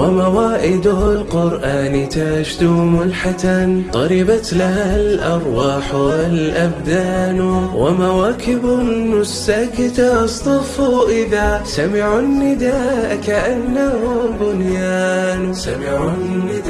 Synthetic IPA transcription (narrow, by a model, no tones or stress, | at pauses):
wamawaːʔɪd̪ʊlqʊɾʔaːnɪt̪aʕʃd̪ʊmʊlħat̪ant̪ˤɑɾɪbat̪lahalʔɑɾˤwaːħaalʔabd̪aːnwamawaːkɪbmʊsːaːkɪt̪asˤt̪ˤɑfuʔɪðasamɪʕanːɪd̪aːʔkaʔanːahʊbʊnjaːn | a